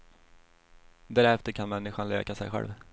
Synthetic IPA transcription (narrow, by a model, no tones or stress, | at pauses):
d̪æɾɛft̪əɾkʰanmɛnːɪɧanløːkasɛ̰jɧɛ̰lv